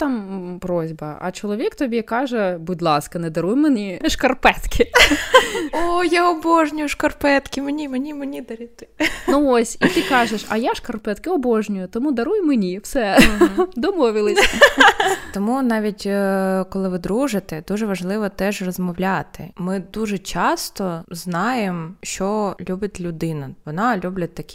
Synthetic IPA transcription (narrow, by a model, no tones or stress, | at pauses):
t̪ɑmpɾɔzʲbɐɐ̰t͡ʃɔlˠɔʋʲikt̪ɔbʲikɑʒɛbʊdʲlˠɑskɐnɛd̪ɐɾujmenʲiʃkɐrpɛt̪kʲʰɪ | ojaɔboʒnʲʊjʊʃkɐrpɛt̪kʲɪmenʲimenʲimenʲid̪ɐɾʲit̪ɪ̥nuosʲit̪ɪkɑʒeʃɐ̰jaʃkɐrpɛt̪kɪɔbɔʒnʲʊjʊt̪ɔmud̪ɐɾujmenʲiwsɛ | d̪ɔmɔʋʲɪlˠɪsʲ | t̪ɔmunɑʋʲitʲkɔlˠɪʋɪd̪ɾuʒɪt̪ɛd̪uʒɛʋɐʒlˠɪʋɔt̪ɛʒrɔzmɔwlʲɑt̪ɪ̰mɪd̪uʒɛt͡ʃɑst̪ɔznɑjemʃt͡ʃɔlʲubʲɐtʲlʲʊd̪ɪnɐʋɔnɑlʲublʲɐt̪ːɐkʲi̥